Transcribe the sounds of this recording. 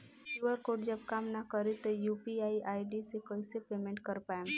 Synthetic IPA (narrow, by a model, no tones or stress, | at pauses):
juʋəɾkoːʈd͡ʒɐbkaːmnakəɾet̪ojuːpiaːiʔaːiɖisekəisepeːmɛ̃ɳʈkɐɾpaːe